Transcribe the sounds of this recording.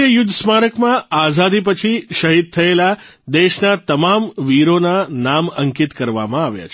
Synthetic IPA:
əjʊd̪ʱːsmaɾəkmãazad̪ipət͡ʃʰiʃəɦid̪̚t̪ʰəela | d̪eʃnat̪əmamʋiɾonanaməŋkit̪kəɾʋa̰mãaʋja̰t͡ʃʰ

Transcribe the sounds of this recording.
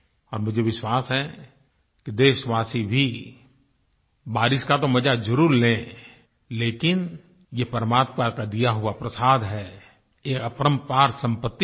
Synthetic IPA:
ɔːɾmʊd͡ʒʱeʋɪʃwaːsɦɛ̃ | kid̪eːʃʋaːsibʱi | baːɾɪʃkat̪omɐd͡ʒad͡ʒəɾuːɾlẽ | leːkɪn | jepəɾəmaːt̪pakad̪ijaɦʊapɾəsaːd̪ɦɛː | eːəpɾəmpaːɾsə̃mpət̪ː

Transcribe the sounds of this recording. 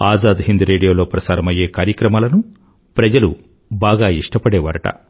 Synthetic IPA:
aːzaːd̪ɦind̪uɾe̞ːɽijo̞ːlo̞ːpɾɐsaːɾɐmɐje̞ːkaːɾjɐkɾɐmaːlɐnu | pɾɐd͡ʒɐlu | baːɡaːiʂʈɐpɐɽɛːʋaːɾɐʈɐ̰

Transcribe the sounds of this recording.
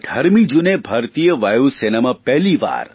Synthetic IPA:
d̪ʱɐɾmid͡ʒunebʱɐɾt̪ijəʋajusenemapɛɦliʋa̰ːɾ

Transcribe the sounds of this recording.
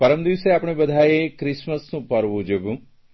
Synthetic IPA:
pəɾəmd̪iʋseaːpɳ̃ebəd̪ʱajekɾɪsməsnũːpəɾʋũd͡ʒebũː

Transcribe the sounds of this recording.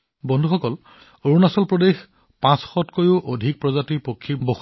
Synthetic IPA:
bɔndʱuxɔkɔl | oɹunasɔlpɹodex | pãsxɔtkojʊʔodʱik̚pɹɔzatiɹpokʰːibox

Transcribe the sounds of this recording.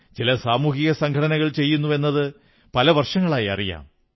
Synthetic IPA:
t͡ɕilɐsaːmuːɦiɣɐsɐŋɡʰʱɐɽɐnɐɣɐɭt͡ɕe̞jːunːue̞nːɐðɨ | pɐlɐʋɐrʂɐŋːɐɭaːjɐ̰rija̰ːm

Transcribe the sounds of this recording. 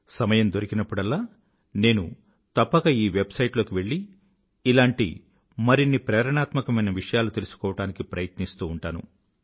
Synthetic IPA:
sɐmɐjɐmd̪o̞ɾikinɐpːuɽɐlːaː | ne̞ːnṵ | t̪ɐpːɐɡaiːʋe̞bsɐjʈlo̞ːkiʋe̞ɭːiː | laːɳʈḭ | mɐɾinːipɾɛːɾɐɳaːt̪mɐkɐmɐjnɐʋiʂɐjaːlut̪e̞lusu̥kɔːʋɐʈaːnikipɾɐjɐt̪nist̪uːɳʈaːnṵ

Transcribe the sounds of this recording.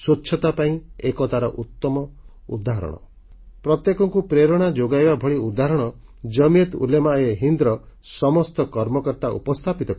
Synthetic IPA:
sutːʰɔt̪apaĩekɔt̪aɾɔʔut̪ːɔmɔ | ṵd̪aɦɾɔ̰ɽ̃ɔ̰ | pɾɔt̪jekɔŋkupɾeɾɔɽ̃ad͡ʒoɡajbabʱɔɭiud̪aɦɾɔɽ̃ɔ | d͡ʒɔmiet̪ṵlemaeɦind̪ɾɔsɔmɔst̪ɔkɔɾmɔkɔɾt̪aʔṵpɔst̪ʰapit̪ɔk

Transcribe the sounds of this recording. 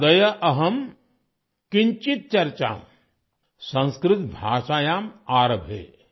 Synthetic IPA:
d̪ɐjɐʔɐɦɐm | kiɲt͡ʃit̪̚t͡ʃɐɾt͡ʃa̰ːm | sɐ̃nskɾɪt̪bʱaːʃaːjaːmaːɾɐbʱɦḛː

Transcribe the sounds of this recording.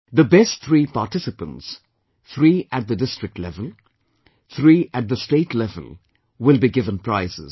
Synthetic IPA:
d̪əbɛstt̪ʰɾiːpaʈɪsɨpə̃nts | t̪ʰɾiːʔæʈ̚d̪ədɪstɹɪk̚ʈlɛvəlˠ | t̪ʰɾiːʔæʈ̚d̪əsʈeːʈʰlɛvə̰l | wɪlˠbiɡɪvə̃npɾaɪzɪ̰z̥

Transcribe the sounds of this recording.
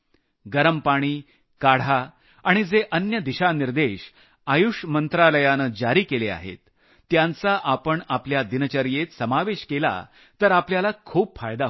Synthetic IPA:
ɡəɾəmpaɽ̃iː | kaɽ̤a | aɽ̃id͡zeʔənjəd̪iɕaniɾd̪eɕ | ajuʂmənt̪ɾaləjanəd͡ʑaɾiːkelea̰ɦḛt̪ː | jãnt͡saʔapəɳapljad̪inət͡ɕəɾjet̪səmaʋeɕkela̰ | t̪əɾapljalakʰuːpfajd̪a

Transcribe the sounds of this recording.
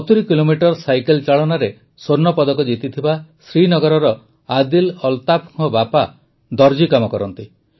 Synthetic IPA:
ɔt̪ɾikilomiʈɔɾsajkelt͡ʃaɭɔnaɾe | soɾnɔpɔd̪ɔkɔd͡ʒit̪it̪ʰibasɾinɔɡɔɾɔɾɔ | ad̪ilɔlt̪apʰuŋɔbapa | d̪ɔɾd͡ʒikamɔkɔɾɔnt̪i

